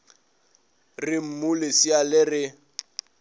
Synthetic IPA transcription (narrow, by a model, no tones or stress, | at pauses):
rɪm̩mʊlɪsialɪrɪ